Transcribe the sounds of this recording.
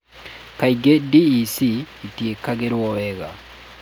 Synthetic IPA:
kaiɡediːsiː | tiekaɡeɾwɔwɛɣa̰

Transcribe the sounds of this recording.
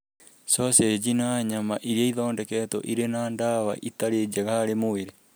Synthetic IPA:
sosed͡ʒinaɲamaʔiɾieiðoːndɛkɛtoʔiɾenaːndawa̰ʔit̪aɾed͡ʒaɣaɾemoeɾe

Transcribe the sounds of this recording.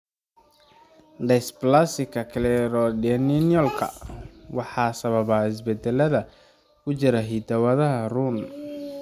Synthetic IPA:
ɖɛsplasɪkʰɐkʰlɛɾɔdɛninjɔlkʰɐ̰wɑħɑːsɐβɐβaɪs̬bɛd̪ɛlɐðɐ | kʰʊt͡ʃɪɾɐɦid̪ɐwɐðɐɦɐrun

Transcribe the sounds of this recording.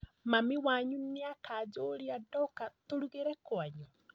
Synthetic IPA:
mamiwaɲuneakad͡ʒoːɾiadɔkatoɾuɣeɾɛkwaɲu

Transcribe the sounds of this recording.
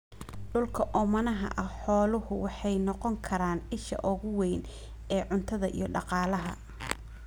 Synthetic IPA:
ɖʊlkʰɐʔɔmɐnɐɦɐ̰ʔɐħɔːlʊhʊwɑħɑjnɔqɔŋkʰɐɾaːnɪʃɐ̰ʔɔɣʊwɛjn | ɛːʕʊnt̪ʰɐðɐʔḭjɞɖɑqɑːlɐɦɐ̰

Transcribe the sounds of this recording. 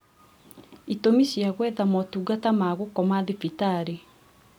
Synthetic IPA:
itomiɕjaɣwɛðamɔtuːɡatamaːɣokɔmaðifitaɾe

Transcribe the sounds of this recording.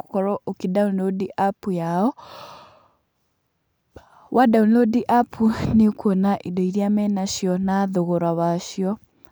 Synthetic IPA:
ku̥kɔɾɔʔokidaunlodiʔapujaɔ | wadaunlodiʔapʰunekuɔnaʔidɔiɾjamɛnaʃjɔnaðoɣoɾwaβaʃjɔ

